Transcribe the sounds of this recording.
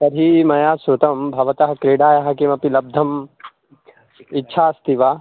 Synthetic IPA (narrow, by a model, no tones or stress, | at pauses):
sɐɾɦimɐjaːsɾʊt̪ɐmbʱɐʋɐt̪ɐɦɐkɾeːɽaːjɐɦɐkimɐpilɐb̚d̪ʱɐm | ɪtːʃʰaːɐst̪iʋaː